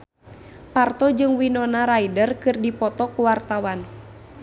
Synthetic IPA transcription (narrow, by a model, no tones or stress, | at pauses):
part̪ɔd͡ʒɨŋwinɔnaɾaidərkɨrdipɔt̪ɔkuwart̪awan